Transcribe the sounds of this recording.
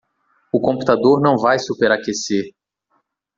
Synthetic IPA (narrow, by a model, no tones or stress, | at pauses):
ʊkõput̪ad̪oɾnɐ̃w̃vajsupeɾakeseɾ